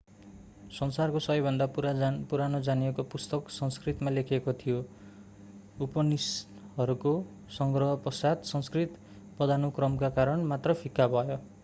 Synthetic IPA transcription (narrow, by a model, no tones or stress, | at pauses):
sʌnsarkosʌʌjbʱʌnd̪apuɾapuɾanod͡zanijekopust̪ʌksʌnskrit̪malekʰekot̪ʰijo | upʌnis | ʌɾuko | sʌŋɡrʌɦʌpʌsad̪sʌnskrit̪ | pʌd̪anukrʌmkakaɾʌnmat̪rʌpʰikːabʱʌjo